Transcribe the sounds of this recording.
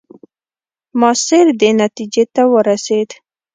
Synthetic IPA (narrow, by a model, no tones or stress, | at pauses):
mɑsɪɾd̪enat̪id͡ʒet̪awəɾased̪